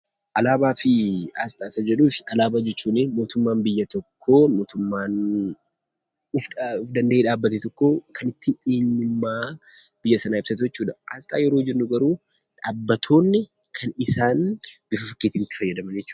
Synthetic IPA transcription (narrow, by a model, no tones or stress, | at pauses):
ʔɐlaːbaːfɪaːst̪ʼaːsɐd͡ʒɛᶑuːfɪɐlaːbaːd͡ʒɛt͡ʃːuːnɪmo̞ːt̪ʊmːaːnbɪjːɐt̪ɔkʰːo̞ːmoːt̪ʊmːaːn | ʊfʊfd̪ɐnd̪ɐʔeːᶑaːbːɐt̪ɛt̪ɔkːo̞ːkʰɐnɪt̪ːɪeːɲːʊmːaː | b̥ɪjːɐsɐnaːɪbsɐt̪̬ʊd͡ʒɛt͡ʃːuːᶑɐʔa̰ːst̪ʼa̰ːjɛɾoːd͡ʒɛnːʊɡɐɾuː | ᶑaːbːɐt̪ʰo̞ːnːɪ | kʰɐnɪsaːnb̥ɪfɐfɐkːeːt̪ɪnɪt̪ːɪ̥fɐjːɐd̪ɐmɐnd͡ʒɛt͡ʃːuː